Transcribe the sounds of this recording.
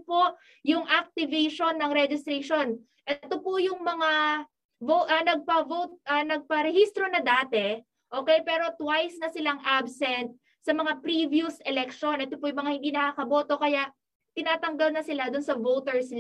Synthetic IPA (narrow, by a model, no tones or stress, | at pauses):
poʔ | jʊŋʔɐk̚t̪ɪvɛjʃonːɐŋɾɛd͡ʒɪst̪ɾɛʃo̞n | ʔɛt̪opʊjʊŋmɐŋa | voʔɐnɐɡ̚pɐvowt̪̚ʔɐnɐɡ̚pɐɾɛhist̪ɾo̞nɐd̪aːt̪ɛ | ʔoːkɛjpɛːɾo̞t̪wajsnɐsɪlaŋʔabsɛnt̪̚ | sɐmɐŋapɾivjusɛlɛk̚ʃo̞nʔɛt̪opʊjʊŋmɐŋahɪnd̪iːnɐkakɐbo̞ːt̪o̞kɐjaʔ | t̪ɪnaːt̪ɐŋɡɐlnɐsɪlad̪ʊnsɐvowt̪ɛɹs